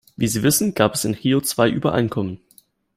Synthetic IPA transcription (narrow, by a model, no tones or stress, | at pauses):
viːziːvɪsn̩ɡ̥aːpɛsɪnhiːot͡sv̥aɪʔybɐʔa̰ɪnkʰɔmən